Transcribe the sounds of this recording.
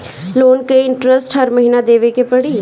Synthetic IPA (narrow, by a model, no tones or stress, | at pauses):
loːnkeɪɳʈɾəsʈɦəɾməɦiːnad̪eːʋekepəɽiː